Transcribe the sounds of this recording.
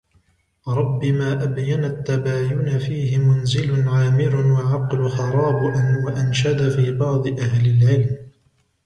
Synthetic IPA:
ɾˤɑbːɪmaːʔabjanat̪ːabaːjʊnafiːɦɪmʊnzɪlʊnʕaːmɪɾʊwaʕɑqlʊxɑɾˤɑːbʔanwaʔanʃad̪afiːbɑʕd̪ˤɨʔahlɪlʕɪlm

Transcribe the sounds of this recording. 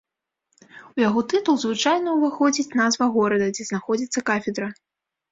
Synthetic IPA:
ujaɣɔt̪ɨt̪ulˠzvɨt͡ʂajnɐuvaxɔd͡zʲit͡sʲnazvɐɣɔɾɐd̪ɐd͡zʲɛznaxɔd͡zʲit̪sːɐkafʲɛd̪ɾɐ

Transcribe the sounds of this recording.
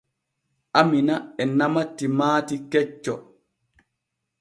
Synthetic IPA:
ʔaminaɛnamatːimaːtikɛt͡ʃːɔ

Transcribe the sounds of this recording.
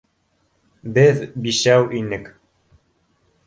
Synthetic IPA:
bɘðbiʃæwʔinɘk

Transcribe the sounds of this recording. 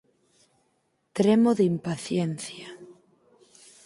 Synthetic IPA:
t̪ɾemoðimpaθjenθja

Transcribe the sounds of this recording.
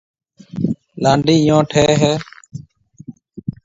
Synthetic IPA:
laːɳɖiːɪjõːʈʰeːɦɛː

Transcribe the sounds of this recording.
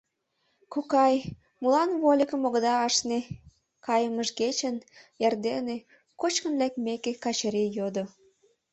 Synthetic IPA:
kukɑj | mulɑnβolʲəkəmoɣd̪ɑɑʃne | kɑjəməʃɡet͡ɕənjerd̪ene | kot͡ɕkə̆nlækmekekɑt͡ɕəɾijod̪o

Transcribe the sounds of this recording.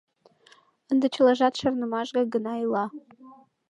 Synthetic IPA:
ənd̪ĕt͡ɕʰəlɑʒɑt̪ʃərnə̆mɑʒɡɑɡənɑilɑ

